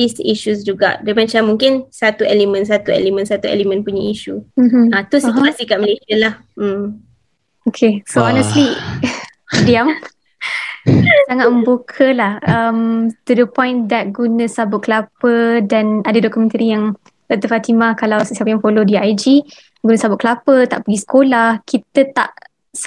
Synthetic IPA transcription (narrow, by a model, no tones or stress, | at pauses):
disiʃus̬d͡ʒuɡa̰ʔdamat͡ʃamːũŋkɪnsat̪uɛlimə̃ns̬at̪uɛ̰limə̃nsat̪uɛ̰limə̃npuɲaiʃum̩m̩at̪usit̪uasikaʔ̚məlesialah̩ | m | okʰesoɔnəsli | diam | saŋat̚mə̃mbukʰəlahəmt̪udəpɔ̃j̃nd̪ɛt̪̚ɡunə̃sabʊtʔ̚kəlapədanadadɔkumɛ̃nt̪əɾijaŋ | ət̪əfat̪imakalawsəsiapajãŋfolodiajd͡ʒi | ɡunəsabʊt̚kəlapət̪a̰ʔpəɡisə̥kʰolahkʰit̪ət̪a̰ʔ | s